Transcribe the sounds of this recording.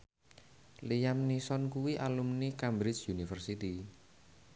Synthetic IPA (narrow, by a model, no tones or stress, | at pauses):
lijamnisɔnkuwiʔalumnikambɾɪt͡ʃjunifərsit̪i